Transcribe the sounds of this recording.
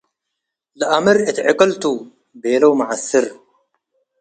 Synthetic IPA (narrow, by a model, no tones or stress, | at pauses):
lɨʔamɨɾɨt̪ʕɪkʼɐlt̪ʰu | beːlɐwmɐʕasɨɾ